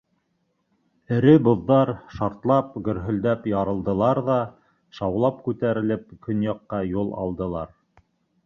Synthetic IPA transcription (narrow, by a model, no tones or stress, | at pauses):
ɘ̆ɾɘbŏðːɑɾʃɑɾt̪lˠɑp̚ɡɵ̆ɾɦɵ̆ld̪æpjɑɾɤ̆lˠd̪ɤ̆lˠɑɾðɑ | ʃɑwlˠɑpkʉt̪æɾɘ̆lɘp̚kɵnjɑqːɑjulˠɑ̰lˠd̪ɤ̆lˠɑɾ